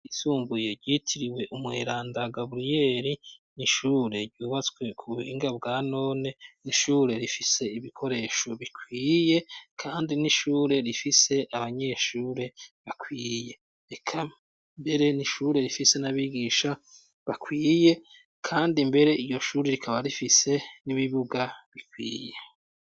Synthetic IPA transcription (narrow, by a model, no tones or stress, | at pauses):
isuːmbuje̞ɾɟiːtʰiɾiwe̞ʔumŋeɾaːndaɡaβɾije̞ɾiniʃuːɾe̞ɾɟuːβat͡skwe̞kʰuuβeːŋɡabɡaːno̞ːne̞niʃuːɾe̞ɾifise̞iβikʰo̞ɾe̞ːʃo̞βikʰwiːje̞kʰaːndiniʃuːɾe̞ɾifise̞ʔaβaɲe̞ʃuːɾe̞βakʰwiːje̞ | ekʰa | mbe̞ɾe̞niʃuːɾe̞ɾifise̞naβiɡiːʃa | βakʰwiːje̞ | kʰaːndimbe̞ɾe̞ijo̞ʃuːɾe̞ɾikʰaβaɾifise̞niβiβuɡaβikwḭːje